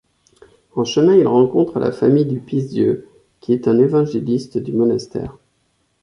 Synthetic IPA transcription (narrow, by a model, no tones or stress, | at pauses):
ɑ̃ʃənɛ̃ilʁɑ̃kɔ̃t̪χəlʔa̰fa̰mijd̪ypizd̪jø | kʲʰiɛt̪ɛ̃nevɑ̃ʒelist̪d̪ymɔnast̪ɛ̰ːʁ